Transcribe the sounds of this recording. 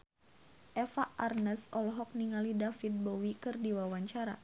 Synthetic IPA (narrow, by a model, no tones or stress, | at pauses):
ʔɛfaʔarnəsɔlɔɦɔk̚niŋalidafit̪̚bɔwikɨrdiwawaɲt͡ʃaɾa̰